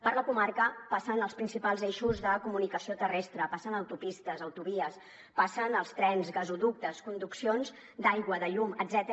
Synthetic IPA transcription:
pəɾləkumaɾkəpasənəlˠspɾinsipalˠzeʃuzðəkumunikəsiot̪ərɛst̪ɾəpasənəwt̪upist̪əzəwt̪uβiəs | pasənəlˠst̪ɾɛnzɣəzuðuk̚t̪əskund̪uksionz | d̪ajɣwəðəʎuməd̪zɛt̪ə

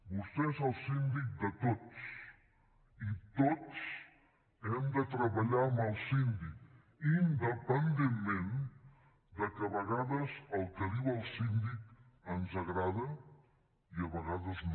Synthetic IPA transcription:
bust̪ɛzəlˠsind̪ik̚d̪ət̪ots | it̪ots | ɛmd̪ət̪ɾəβaʎaːməlˠsind̪ik | ind̪əpənd̪emmẽn | d̪əkəβəɣaðəzəlˠkəɾiβəːlˠsind̪ik | ənzəɣɾaðə | iəβəɣaðəzn

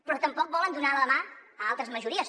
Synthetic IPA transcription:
pɾɔt̪əmpɔk̚bɔlənd̪unaləmaəalˠt̪ɾəzməʒuɾiəs

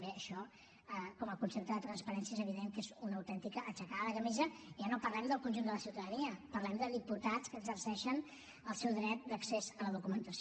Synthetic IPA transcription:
beəʃɔ | əkɔməkunsep̚t̪əðət̪ɾənspəɾɛnsiəezəβiðeŋkezunːwt̪ɛnt̪ikəʔːt͡ʃəkaðəkəmizəʒanopərlɛmd̪əlˠkunʲʒund̪ələsiwt̪əðəniəpərlɛmd̪əðiput̪at͡skəɡzərsɛʃən | əlˠsɛwðɾɛt̪̚d̪əksezələðukumənt̪əs

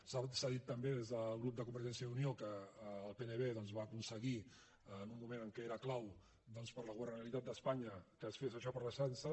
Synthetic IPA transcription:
sasaðit̪ːəmbeðezðəlˠɣɾup̚d̪əkumbəɾʒɛnsiəðuniokəːlˠpenəβeðɔnzβaːkunsəɣi | numːumenəŋkɛeɾəklaw | d̪ɔnspəɾləɣuβərnəəlit̪at̪̚d̪əspaɲəkəːsfezəʃɔpəɾləʃansə

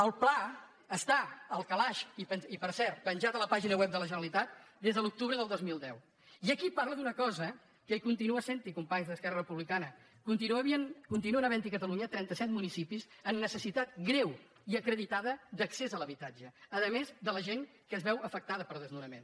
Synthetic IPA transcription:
əlˠpla | əst̪aəlˠkəlaʃipənipəɾsɛɾt̪̚pənʲʒat̪ələpaʒinəwɛp̚d̪ələʒənəlit̪at̪̚d̪ezðəlˠuk̚t̪uβɾəðəlˠd̪ozmilˠd̪ɛw | iəkiparləðunəkɔzə | kəikunt̪inuəsent̪ikumpaɲzðəskɛrərəpuβlikanə | kunt̪inəβiənkunt̪inuənəβɛnt̪ikət̪əluɲət̪ɾɛnt̪əsɛt̪munisipizənːəsəsit̪at̪̚ɡɾɛw | iəkɾəðit̪aðəd̪əksezələβit̪ad͡ʒəːðəmezd̪ələʒeŋ | kəzβɛwəfək̚t̪aðəpəɾˠðəznuɾəmḛn

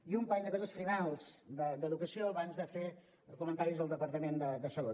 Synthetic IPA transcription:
iumpaʎd̪əkɔzəsfinalˠz̥d̪əd̪əðukəsioəβanzðəfe | kumənt̪aɾizðəlˠd̪əpəɾt̪əmend̪əd̪əsəlot̪

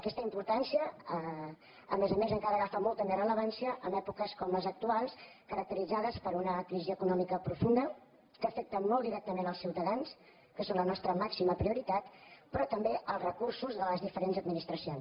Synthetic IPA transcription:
əkɛst̪əimpuɾt̪ansijəə | ə̰mezəmezəŋkaɾəɣafamɔlˠt̪əmerələβansiəʔəmɛpukəskɔmləzək̚t̪ualˠs | kəɾək̚t̪əɾid͡zaðəspəɾunəkɾiziəkunɔmikəpɾufund̪ə | kəːfɛk̚t̪əmɔlˠd̪iɾɛk̚t̪əmenəlˠsiwt̪əðans | kəsonlənɔst̪ɾəmaksiməpɾiuɾit̪at̪pɾɔt̪əmbeʔəlˠzrəkuɾsuzðələzðifəɾenzəd̪minist̪ɾəsions

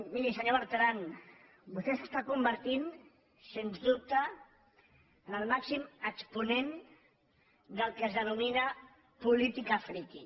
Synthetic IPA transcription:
miʎisəɲoβəɾt̪ɾan | bust̪esəst̪akumbəɾt̪in | senzd̪up̚t̪ə | nəlˠmaksiməkspunen | d̪əlˠkəzðənuminə | pulit̪ikafɾiki

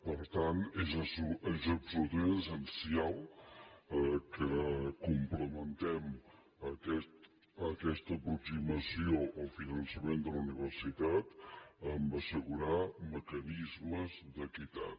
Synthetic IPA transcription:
pəɾt̪anezsuezəpsuɾt̪eəsənsialˠ | əkəkumpləmənt̪ɛm | əkɛt̪ | əkɛst̪əpɾuksiməsioʔofinənsəmend̪ələuniβəɾsit̪at̪əmbəsəɣuɾaməkənizməzd̪əkit̪a̰t̪

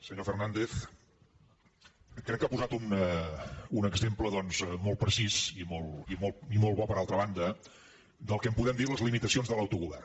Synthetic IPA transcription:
səɲofərnand̪eθ | kɾɛkːapuzat̪un | unəɡzempləðɔnzmɔl̚ˠpɾəsizimolˠimoimolˠβɔpəɾalˠt̪ɾəβ̞and̪ə | d̪əlˠkɛəmpuðɛmd̪iɾləzlimit̪əsionzðələwt̪uɣuβɛ̰r

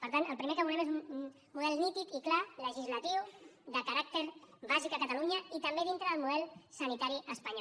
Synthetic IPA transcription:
pəɾt̪ant̪əlˠpɾimekəβulɛmezunn | muðɛlˠnit̪ikiklaləʒizlət̪iwðəkəɾak̚t̪eɾβazikəkət̪əluɲəit̪əmbeð̞int̪ɾəðəlˠmuðɛlˠsənit̪aɾiʔəspəɲɔ

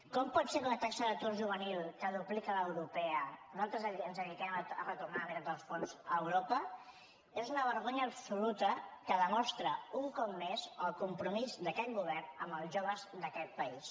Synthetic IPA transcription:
kɔmpɔt̪seɾunət̪aksəðət̪uɾʒuβ̞ənilˠkəðuplikələwɾupɛənat̪ɾəzəiənzənik̪ɛmərət̪urnameɾad̪əlˠsfonzəːwɾopə | ezunəβ̞əɾɣoɲəːbsulut̪əkəðəmɔst̪ɾəuŋkɔp̚mːezəlˠkumpɾumizd̪əkɛt̪ɡuβɛrnəmbəlˠʒoβ̞əzðəkɛt̪̚pəis

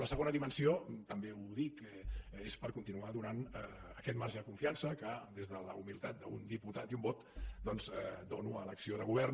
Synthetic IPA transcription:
ləsəɣonəðimənsiot̪əmbeuðikɛespəɾkunt̪inuaðunanəkɛt̪maɾʒəðəkuɱfiansəkəd̪ezðələ̰umilˠt̪at̪̚d̪əund̪iput̪at̪iumbɔt̪d̪ɔnzɛd̪onuələksioðəɣuβ̞ɛr

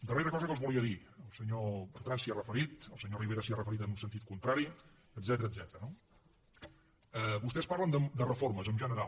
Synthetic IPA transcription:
d̪əreɾəkɔzəkəlˠzβulˠiəði | əlˠsəɲopəɾt̪ansiərəfəɾit̪əlˠsəɲoriβeɾəsiərəfəɾit̪ənunsənt̪it̪̚kunt̪ɾaɾi | əd̪zɛt̪əɾəd̪zɛt̪əɾəno | əβust̪ɛspaɾlənd̪əd̪ərəfoɾməzəmʒənəɾa

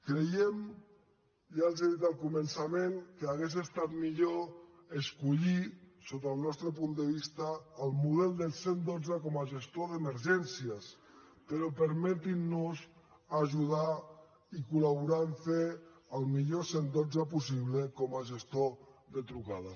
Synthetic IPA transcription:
kɾejem | jalˠzeðit̪alˠkumənsameŋkeaɣezest̪at̪̚miʎo | eskuʎisot̪əlˠnɔst̪ɾəpund̪əβist̪aːlˠmuð̞ɛlˠd̪elˠsend̪od͡zakɔmaʒest̪oðeməɾʒɛnsiəs | peɾɔpəɾmɛt̪inːus | aʒuð̞a | ikulaβuɾanfeəlˠmiʎosend̪od͡zap̬usiβlekɔmaʒest̪oðət̪ɾukaða

